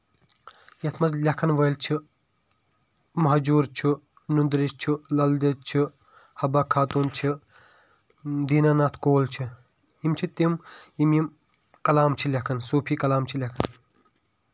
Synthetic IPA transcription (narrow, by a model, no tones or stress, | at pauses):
jɐt̪ʰmɐzlʲɐkʰɐnʋɐjlt͡ʃʰi | mɐɦɐd͡ʒuːɾt͡ʃʰi | nund̪ɾiʃt͡ʃʰilɐld̪ɐt͡ʃʰi | hɐbaːkʰaːt̪uːnt͡ʃʰi | d̪iːnanaːt̪ʰkoːlt͡ʃʰi | imt͡ʃʰit̪imimim | kɐlaːmt͡ʃʰilʲɐkʰɐnsoːpʰiːkɐlaːmt͡ʃʰilʲɐkʰɐn